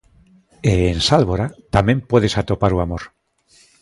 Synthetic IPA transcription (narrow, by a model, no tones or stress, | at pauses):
eːnsalβoɾat̪amẽ̞mpwe̞ðe̞sat̪o̞paɾuamoɾ